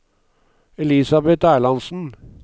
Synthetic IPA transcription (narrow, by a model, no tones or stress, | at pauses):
ɛlisɑbɛt̪æːɭɑnsn̩